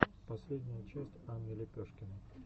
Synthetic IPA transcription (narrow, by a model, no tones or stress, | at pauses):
pɐsʲlʲedʲnʲɪjət͡ɕesʲtʲanʲːɪlʲɪpʲoʂkʲɪnɨ